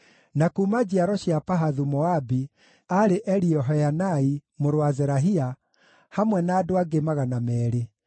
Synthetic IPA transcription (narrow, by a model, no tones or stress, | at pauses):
nakuːmad͡ʑiaɾɔɕiapaɦaðumɔabi | aɾeʔɛɾiɔɦɔjanaimoɾwazɛɾaɦia | hamwɛnaːdoaɡemaɣanamɛːɾe